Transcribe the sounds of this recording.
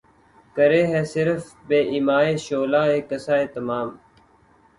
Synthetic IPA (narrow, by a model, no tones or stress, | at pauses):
kəɾeːɦɛːsɪɾfbeːʔiːmaːeːʃoːlaːeːkəsaːeːt̪əmaːm